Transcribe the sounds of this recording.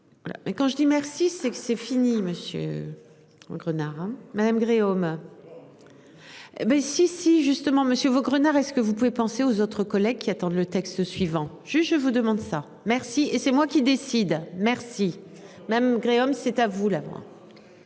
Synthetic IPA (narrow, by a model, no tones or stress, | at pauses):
va̰la̰mʔɛkɑ̃ʒəd̪imɛʁsisɛksɛfiniməsjø̰ | o̰ɡʁənaʁɛ̃mad̪amɡʁeom | bɛsisiʒyst̪əmɑ̃məsjøvoɡʁənaʁɛskəvupuvepɑ̃seozot̪χəkɔlɛɡ̚kʲiat̪ɑ̃d̪lət̪ɛkst̪əsɥivɑ̃ | ʒ̥yt̪ʒəvud̪əmɑ̃d̪sa | mɛʁsiesɛmwakʲid̪esid̪mɛʁsi | maamɡʁeomsɛt̪avulamwa̰